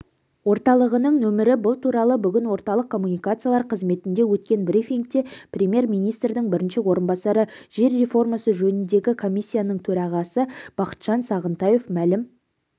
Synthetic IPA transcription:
wo̞ɾt̪ɑlˠəʁənəɴnɵmɪɾɪbʊlˠt̪ʰuɾɑlˠəbʏɡʲɪnwo̞ɾt̪ɑlˠəqkʰːo̞mːunijkat̪sɨijalˠɑɾqʰəzme̞t̪ɪnd̪e̞wɵt̪̚kʲe̞nbɾifʲiŋk̚t̪e̞prʲemʲje̞ɾmʲijnijst̪ɾd̪ɪŋbɪɾɪnʃɪwo̞ɾənbɑsɑɾəʒe̞ɾːe̞fo̞rmasəʒɵnɪnd̪e̞ɡʲɪkʰo̞misʲːijanəɴt̪ʰɵɾɑʁɑsəb̥ɑqə̥t̪ʒ̥ɑnsɑʁənt̪ɑje̞fmælɪm

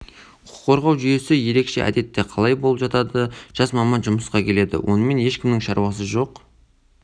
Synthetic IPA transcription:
qʊʊ̥qʰːo̞ɾʁɑwʒʏje̞sɪje̞ɾe̞kʃe̞̰ʔæ̰d̪e̞t̪ːe̞qʰɑlˠɑjbo̞lˠəpʒɑt̪ɑd̪əʒ̥ɑsmɑmɑnʒʊməsqɑkʲʰe̞le̞d̪ɪ̰wo̞̰nəme̞ne̞ʃkʲɪmnɪŋʃɑɾwɑsəʒo̞q

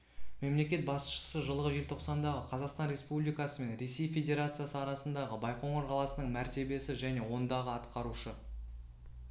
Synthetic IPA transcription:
me̞mle̞kʲe̞t̪̚bɑsʃə̥səʒəlˠəʁəʒe̞lʲt̪ʰo̞qsɑnd̪ɑʁəqʰɑzɑqst̪ɑnre̞spublijkɑsəme̞nɾe̞se̞jfʲe̞dʲe̞ɾat̪sɨjasəɑɾɑsənd̪ɑʁəbɑjqo̞ɴoɾqʰɑlˠɑsənəɴmæɾt̪e̞be̞sɪʒæne̞wo̞nd̪ɑʁəɑt̪qɑɾuʃə

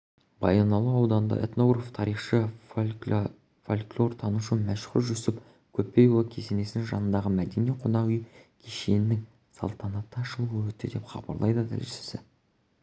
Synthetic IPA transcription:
bɑjɑnɑlˠuɑwd̪ɑnnd̪ɑ̰ʔḛt̪no̞ɡɾaft̪ʰɑɾiχʃə | folʲklʲˠo̞rt̪ʰɑnuʃəmæʃχʊ̰ɾʒʏsɪp | kʲʰɵpːe̞jwkʲʰe̞ze̞ne̞sɪŋʒɑ̰nənd̪ɑʁəmæd̪e̞niqʰonɑʁʏjkʲʰeʃe̞nɪnɪŋ | sɑ̰lˠt̪ɑnɑt̪ːəʃəlˠəʁwɵt̪ːɪd̪e̞pχɑ̰bɑ̰ɾlˠɑ̰jd̪əd̪ʰɪ̰lʒʃɪ̥sɪ̰

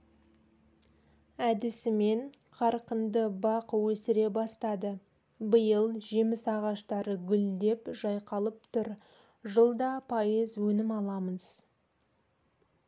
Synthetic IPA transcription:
æd̪ɪsɪme̞ɴqʰɑɾqənd̪əbɑqwɵsɪɾe̞bɑst̪ɑd̪ə | bəjəlˠʒe̞mɪsɑʁɑʃt̪ɑɾəɡʲʏld̪e̞pʒɑjqɑlˠəp̚t̪ʰʊɾ | ʒəlˠd̪ɑpʰɑjəzwɵnɪmɑlˠɑməz̥

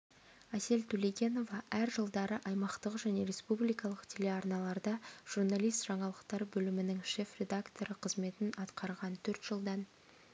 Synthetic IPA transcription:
æse̞lt̪ʰɵlejɡʲe̞no̞vɑæɾʒəlˠd̪ɑɾəʔɑjmɑqt̪əqʒæne̞ɾe̞spublijkɑlˠəqt̪ʰe̞le̞ɑrnɑlˠɑɾd̪ɑʒ̥uɾnalˠijst̪ʒ̥ɑɴɑlˠəqt̪ɑɾbɵlɪmɪnɪŋʃe̞frʲe̞d̪akt̪o̞ɾəqʰəzme̞t̪ɪnɑt̪qɑɾʁɑnt̪ʰɵɾt̪ʒ̥əlˠd̪ɑn

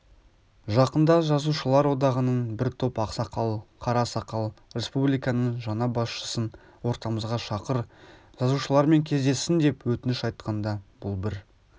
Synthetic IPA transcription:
ʒɑqənd̪ɑʒɑzuʃəlˠɑɾwo̞d̪ɑʁənənbɪɾt̪ʰopɑqsɑqɑlˠqʰɑɾɑsɑqɑlˠɾʲe̞spublijkɑnəɴʒɑnɑbɑsʃə̥sən | wo̞ɾt̪ɑməzʁɑʃɑqəɾʒ̥ɑzuʃəlˠɑɾme̞ŋkʲʰe̞zd̪e̞sːɪnd̪e̞pwɵt̪ɪnɪʃɑjt̪̚qɑnd̪ɑbʊlˠbɪɾ

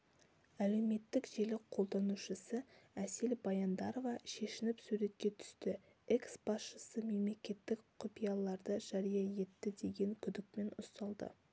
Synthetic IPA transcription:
æle̞wme̞t̪ːɪkʒe̞lɪqʰo̞lˠd̪ɑnuʃəsəæselbɑjɑnd̪ɑɾovɑʃe̞ʃɪnɪpsuɾe̞t̪̚kʲe̞t̪ʰʏ̥st̪ɪ | eksbɑsʃəsəme̞mle̞kʲe̞t̪ːɪkqʰopijɑlˠɑɾd̪əʒ̥ɑɾijɑje̞t̪ːɪd̪e̞ɡʲe̞ŋkʲʰʏd̪ɪk̚me̞nʊst̪ɑlˠd̪ə̰

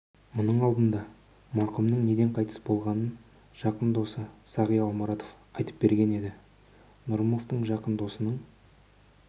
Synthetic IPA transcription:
mʊnəɴɑlˠd̪ənd̪ɑ | mɑɾqəmnəɴne̞d̪e̞ɴqʰɑjt̪ə̥sbo̞lˠʁɑnən | ʒ̥ɑqənd̪o̞səsɑʁijɑlˠmɑɾɑt̪o̞f | ɑjt̪ə̥p̚be̞ɾɡʲe̞ne̞d̪ɪ | nʊɾmo̞ft̪əɴʒɑqənd̪o̞sənəɴ

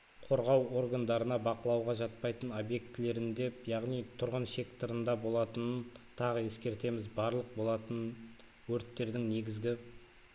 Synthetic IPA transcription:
qʰo̞ɾʁɑwo̞ɾɡand̪ɑɾənɑbɑqəlˠɑwʁɑʒɑt̪̚pɑjt̪əno̞bje̞k̚t̪ɪle̞ɾɪnd̪e̞pjɑʁnijt̪ʰʊɾʁənʃe̞kt̪əɾənd̪ɑbo̞lˠɑt̪ənənt̪ʰɑʁəe̞skʲe̞ɾt̪e̞mɪzbɑɾlˠəq̚bo̞lˠɑt̪ən | wɵɾt̪ːe̞ɾd̪ɪŋne̞ɡʲɪzɡʲɪ

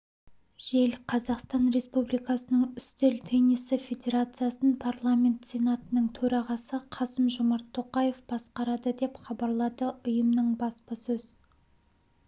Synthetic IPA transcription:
ʒelqʰɑzɑqst̪ɑnɾe̞spublijkɑsənəɴʏst̪elt̪ʰenisɪfʲe̞d̪ʲe̞ɾat̪sɨjasənpʰarlˠamʲe̞nt̪sʲe̞nat̪ənəɴt̪ʰɵɾɑʁɑsəqʰɑsəmʒʊmɑɾt̪ʰːoqɑje̞fb̥ɑsqɑɾɑd̪əd̪e̞pχɑbɑɾlˠɑd̪əʔʊjəmnəɴbɑspɑsɵz̥

